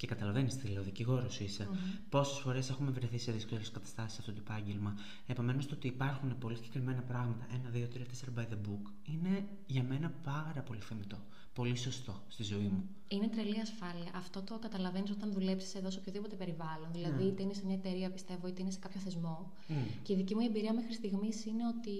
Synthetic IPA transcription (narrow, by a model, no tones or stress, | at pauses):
ce̞kɐt̪ɐlɐvenist̪ileoðiciɣo̞ɾosuisepo̞se̞sfo̞ɾe̞se̞xume̞vɾeθiseðiskoleskɐt̪ɐ̥st̪ɐsi̥sɐft̪ot̪opɐɲɟelmɐ | e̞po̞me̞no̞st̪oo̞t̪iːpɐɾxune̞po̞lisiɟ̥e̞kɾime̞nɐpɾɐɣmɐt̪ɐʔe̞nɐðio̞t̪ɾiɐt̪ese̞ɾobɐjðebuk | ine̞ | ʝɐme̞nɐpɐɾɐpo̞liθemit̪o̞ | po̞liso̞st̪o̞st̪izo̞imu | ine̞t̪ɾeliɐsfɐliɐʔɐft̪o̞t̪o̞kɐt̪ɐlɐve̞niso̞t̪ɐnðule̞psi̥seðo̞s̬opçoðipo̞t̪e̞pe̞ɾivɐlonðilɐðiit̪einesemɲɐet̪e̞ɾiɐpist̪e̞vo̞it̪einese̞kɐpçoθe̞zmo̞ | ce̞iðicimuie̞mbiɾiɐmexɾist̪iɣmisine̞o̞t̪i